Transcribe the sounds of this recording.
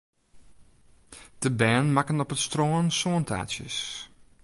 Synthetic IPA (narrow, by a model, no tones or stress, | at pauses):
d̥əbɛːnmakənɔpətstroːnsoəntʰa̰ːtjə̰s